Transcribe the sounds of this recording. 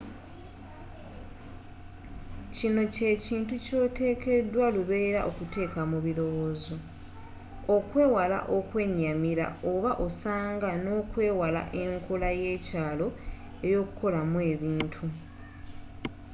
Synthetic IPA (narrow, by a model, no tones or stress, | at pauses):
cino̞ce̞ciːntuco̞ːte̞ːke̞dwaluβe̞ːɾa̰ʔo̞kute̞ːkamuβilo̞wo̞ːzo̞ | okwe̞ːwala̰ʔo̞kwe̞ːɲːamiɾa̰o̞βaʔo̞saːŋɡano̞ːkwe̞ːwala̰ʔeŋkolaje̞ːcaːlo̞ | e̞ɾjo̞ːkuko̞lamwe̞ːβiːntʰu